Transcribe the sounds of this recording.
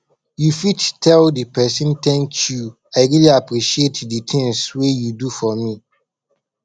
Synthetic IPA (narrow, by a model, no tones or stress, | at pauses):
jufittʰːɛldipʰɛsɨ̃ntʰɛ̃nt͡ʃju | aɪɾiliapʰɾiʃietditʰɪ̃ŋswejudufɔmĩ